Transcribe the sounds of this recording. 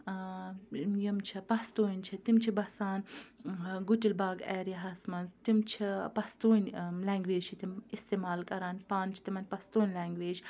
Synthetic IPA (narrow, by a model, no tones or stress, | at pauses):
jɐmt͡ʃʰipɐst̪oːnʲt͡ʃʰit̪imt͡ʃʰibɐsaːn | ɡuʈilbaːɡɛːɾiɦɐsmɐnzt̪imt͡ʃʰipɐst̪oːnʲlaːŋɡʋeːd͡ʒt͡ʃʰit̪imist̪eːmaːlkɐɾaːnpaːnt͡ʃʰi̥t̪imɐnʲpɐst̪oːnʲlaːŋɡʋeːd͡ʒ